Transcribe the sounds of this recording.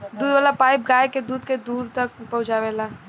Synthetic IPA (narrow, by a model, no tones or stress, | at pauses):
d̪uːd̪ʋaːlapaːɪp̚ɡaːjked̪uːd̪ked̪uːɾt̪ək̚pəɦʊd͡ʒaʋɛːla